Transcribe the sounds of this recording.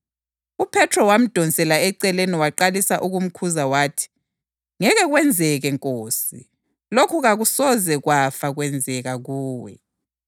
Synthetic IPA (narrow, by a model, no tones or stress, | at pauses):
upʰɛtʰrɔwam̩d̥ʱɔnt͡sʼɛlaɛǀɛleniwaǃalisaʔuɣum̩kʰuzawaːtʰi̥ | ŋɛɣɛɣwɛnd͡zʱɛɣɛŋkʼoːsi | lokʰuɣaɣusɔzɛɣwafaɣwɛnd͡zʱɛɣaɣuːwɛ̰